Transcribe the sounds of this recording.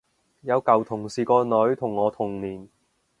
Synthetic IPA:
jɐ˨˧wkɐ˨˩wt̪ʰʊ˨˩ŋsiː˨˩kɔː˧nɵ˨˥ɥt̪ʰʊ˨˩ŋːɔː˨˧t̪ʰʊ˨˩ŋniː˨˩n

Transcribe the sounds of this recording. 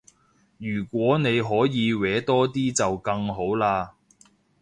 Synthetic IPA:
jyː˨˩kʷwɔː˨˥ne˨˧jɦɔː˨˥jiː˨˧wɛː˨˥t̪ɔː˥t̪iː˥t͡sɐ˨wkɐ˧ŋɦo˨˥wlaː˧

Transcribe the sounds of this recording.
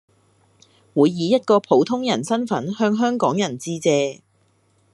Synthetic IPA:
wuː˨˧jːiː˨˧jɐ˥t̚kɔː˧pʰo˨˥wt̪ʰʊ˥ŋjɐ˨˩nsɐ˥nfɐ˨˥nhœː˧ŋɦœː˥ŋkɔː˨˥ŋjɐ˨˩nt͡siː˥t͡sɛː˧

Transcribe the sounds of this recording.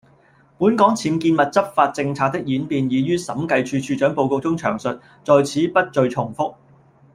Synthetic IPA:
puː˨˥nkɔː˨˥ŋt͡sʰiː˨˥nkiː˧nmɐ˨t̚t͡sɐ˥p̚faː˧t̚t͡sɪ˧ŋt͡sʰaː˧k̚t̪ɪ˥k̚jiː˨˥npiː˨˧njiː˨˧jyː˥sɐ˨˥mkɐ˧jt͡ʃʰyː˧t͡ʃʰyː˧t͡ʃœː˨˥ŋpo˧wko˧wt͡sʊ˥ŋt͡ʃʰœ̰ː˨˩ŋsɵ˨t̚ | t͡sɔː˨jt͡sʰiː˨˥pɐ˥t̚t͡ʃɵ˧ɥt͡ʃʰʊ˨˩ŋfʊ˥k̚

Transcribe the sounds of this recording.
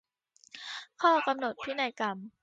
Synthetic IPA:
kʰɔː˥˩ka˧mno˨˩t̪̚pʰiː˥˩na˧˩jka˧˩m

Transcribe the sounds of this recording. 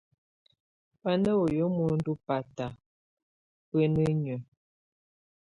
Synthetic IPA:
pa˦nə˦o˨jo˨˦mu˨n̩˦du˦pa˨ta˨ | pə˦nə˦ɲə˨

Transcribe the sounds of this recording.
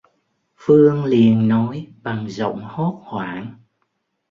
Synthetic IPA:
fɨ˧əŋli˨˩ənːɔ˨˦jɓa˨˩ŋzə̰˧˨wŋ͡mho˦˥t̚hwaː˧˩n

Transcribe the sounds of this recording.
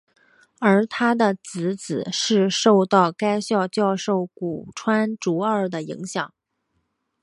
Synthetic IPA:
ə˞˧˥t̪ʰa˥d̪ə˨t͡sɹ̩˧˥t͡sɹ̩˨˩ʂɻ̩˥˧ʂo˥˧ʊt̪ɑ˥˩ʊka˥ɪɕjɑ˥˧ʊt͡ɕjɑ˥˧ʊʂo˥˩ʊku˨˩ʈ͡ʂʰwa˥nʈ͡ʂu˧˥ə˞˥˩d̪ə˩ḭ˧˥ŋɕjɑ˨˩˦ŋ

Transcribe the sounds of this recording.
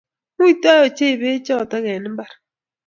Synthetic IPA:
mu˦i˦ta˦jɔ˨t͡ʃe˦˨be˦t͡ʃɔ˦˨ta˦ɡɛ˨nɪ˦mba˦˨ɾ

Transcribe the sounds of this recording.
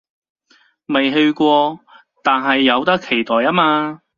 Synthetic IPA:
mɐ˨jɦɵ˧ɥkʷɔː˧ | t̪aː˨nɦɐ˨jːɐ˨˧wt̪ɐ˥kʰːe˨˩jt̪ɔː˨jaː˥maː˧

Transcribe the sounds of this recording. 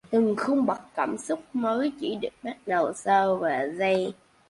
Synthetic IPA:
t̪ɨ˨˩ŋxə˧wŋ͡mɓa˨˩t̚kaː˧˩msʊ˦˥k͡p̚məː˨˦jt͡ɕi˧˩ɗɨ̰˨˩ək̚ɓa˦˥t̚ɗə˨˩wsəː˧vaː˨˩zə˧j

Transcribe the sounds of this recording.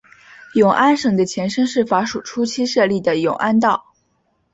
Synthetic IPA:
jʊ˨˩ŋʔa˥nʂɤ˨˩ŋd̪ə˨t͡ɕʰjɛ˧˥nʂɤ˥ŋʂɻ̩˥˩fa˧˥ʂu˨˩ʈ͡ʂʰu˥t͡ɕʰi˥ʂɤ˥˧li˥˩d̪ə˩jʊ̰˨˩ŋʔa˥nt̪ɑ˥˩ʊ

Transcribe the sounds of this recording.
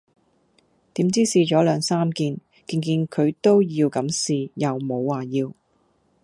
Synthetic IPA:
t̪iː˨˥mt͡siː˥siː˧t͡ʃɔː˨˥lœː˨˧ŋsaː˥mkiː˧n | ki˧ŋk̬iː˧nkʰɵ˨˧ɥt̪o˥wjiː˧wkɐ˨˥msiː˨˩jɐ˨wmo˨˧wːaː˨˩jiː˧w

